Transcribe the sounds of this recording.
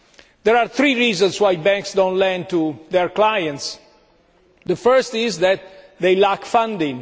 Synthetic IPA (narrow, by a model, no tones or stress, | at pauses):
d̪ɛɹaɾθɾiɹiːzɔ̃nswajbɛ̃ŋksd̪õwntlɛ̃nd̚t̪uðɛɹklajə̃nts | d̪əfəɹst̪ɪzðæt̪̚ | ðejlakfãndɪ̃ŋ